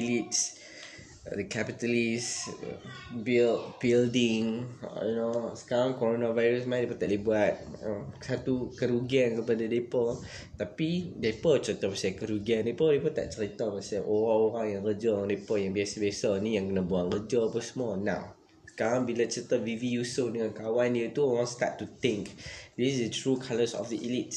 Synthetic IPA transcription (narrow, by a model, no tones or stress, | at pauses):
ilits | dəkʰapit̪əlis | bilt̚bildiŋjunosə̥kaɾaŋkoɾonavajɾəsmãjdepət̪aʔdibuat̪̚əmsat̪ukəɾuɡiankəpadadepə | t̪apidepət͡ʃəɾit̪əpasakəɾuɡiandepədepət̪a̰ʔt͡ʃəɾit̪əpasaʔoɾaoɾaŋjãŋrəd͡ʒəaŋdepəjãŋbiasəbasənĩjãŋkənabuaŋrəd͡ʒəpəsəmɔnã̰w | sə̥kaɾãŋbilat͡ʃət̪əvivijusəfdəŋãnkawanjət̪uoɾãŋst̪a̰tːut̪ɪ̃ŋkdissdətɹukʰaləsɔ̰fdəʔḭlit̚